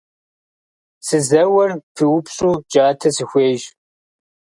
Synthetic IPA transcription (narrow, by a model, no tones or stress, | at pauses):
sɨzɐwɐrfiwʊpɕʼuːd͡ʒʼaːtʰɐsɨxʷeːʒ